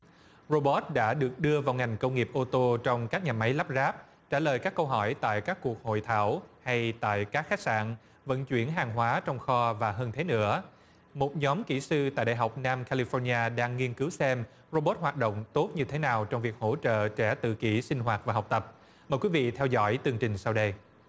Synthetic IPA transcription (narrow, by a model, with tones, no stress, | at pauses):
ɹo˧ɓo˦˥t̚ɗa̰ː˧˥ɗɨ˨˩ək̚ɗɨ˧əvaː˨˩wŋa˨˩jŋ̟kə˧wŋ͡mŋi˨˩əp̚ʔo˧t̪o˧t͡ɕɔ˧wŋ͡mkaː˦˥k̚ɲaː˨˩ma˨˦jlaː˦˥p̚zaː˦˥p̚ | t͡ɕaː˧˩ləː˨˩jkaː˦˥kːə˧wɦɔ˧˩jt̪a̰ː˧˨jkaː˦˥kːu˨˩ək̚ho̰˧˨jt̪ʰaː˧˩wha˧jt̪a̰ː˧˨jkaː˦˥k̚xa˦˥k̚sa̰ː˧˨n | və̰˧˥nt͡ɕwi˧˩ənɦaː˨˩ŋɦwaː˨˦t͡ɕɔ˧wŋ͡mxɔ˧vaː˨˩ɦəː˧nt̪ʰe˨˦nɨ̰˧˥ə | mo˨˩t̚ɲɔ˨˦mki˧˩sɨ˧t̪a̰ː˧˨jɗa̰ː˨˩jɦa˨˩wk͡p̚naː˧mkʰaː˧li˧fɔ˧nɲaː˧ɗaː˧ŋːi˧ənkɨ˨˦wsɛ˧m | ro˧ɓo˦˥t̚hwaː˨˩t̚ɗo̰˧˨wŋ͡mt̪o˦˥t̚ɲɨ˧t̪ʰe˨˦naː˨˩wt͡ɕɔ˧wŋ͡mvi˨˩k̚ho̰˧˥t͡ɕə̰ː˧˨t͡ɕɛ˧˩t̪ɨ̰˧˨ki˧˩sï˧ŋ̟ɦwaː˨˩t̚vaː˨˩ɦɔ˨˩wk͡p̚t̪ə˨˩p̚ | məː˨˩jkwi˨˦vḭ˧˨t̪ʰɛ˧wzɔ̰˧˥jt̪ɨ˧əŋt͡ɕï˨˩ŋ̟sa˧wɗə˧j